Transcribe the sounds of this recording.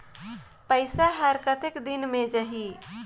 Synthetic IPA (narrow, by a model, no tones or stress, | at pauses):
pəɪsaɦəɾkət̪ɪkd̪ɪnmẽd͡ʒəɦi